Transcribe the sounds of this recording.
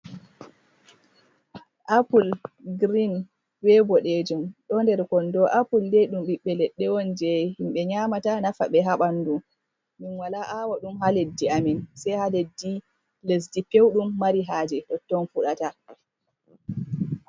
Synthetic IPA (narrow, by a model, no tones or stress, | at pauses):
ʔapulɡɾin | wɛbɔɗɛd͡ʒumɗɔndɛɾkɔndɔʔapulːejɗumɓiɓːɛlɛɗːɛwɔnd͡ʒɛhimɓɛɲaːmatanafa̰ɓɛɦaɓandum | minwalaʔawaɗumɦaledːiaminsɛjhaledːi | les̬dipewɗumːaɾiɦaːd͡ʒɛɗɔtːɔnfuɗata